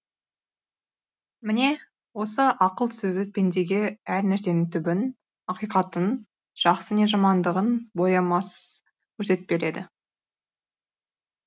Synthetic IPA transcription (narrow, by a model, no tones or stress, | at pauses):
mɪne̞ | wo̞səʔɑqəlˠsɵzd̪ɪpʰend̪e̞ɡʲe̞æɾnæɾse̞nɪŋt̪ʰʏbɪn | ɑqijqɑt̪ən | ʒ̥ɑqsəne̞ʒɑmɑnd̪əʁənbo̞jɑmɑs | kʲʰɵɾse̞t̪ɪ̥p̚be̞ɾe̞d̪ɪ̰